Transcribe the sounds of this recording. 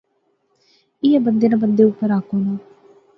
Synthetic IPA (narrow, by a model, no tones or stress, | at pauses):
ɪjaːbənd̪eːnãbənd̪eːʊpːəɾaːkoːnaː